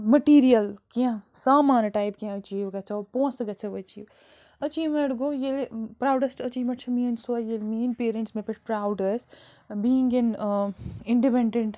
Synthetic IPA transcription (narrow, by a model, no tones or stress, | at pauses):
mɐʈiːɾijɐlkiãsaːmaːnʈaːjpkiãɐt͡ʃiːʋɡɐt͡ʃʰɐpõːsɡɐt͡ʃʰɐʋɐt͡ʃḭːʋ | ɐt͡ʃiːmɐɽɡoːjelpɾaːwɖɐsʈɐt͡ʃimɐt͡ʃʰɐmiːnsojelmiːnpeːɾẽɳʈsmẽpiʈʰpɾaːwɖɐs | biːĩŋɡen | ɪɳɖipẽɳɖẽɳʈ